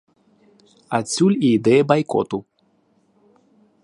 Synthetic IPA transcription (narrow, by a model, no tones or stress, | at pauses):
at͡sʲulʲid̪ɛbajkɔ̰t̪u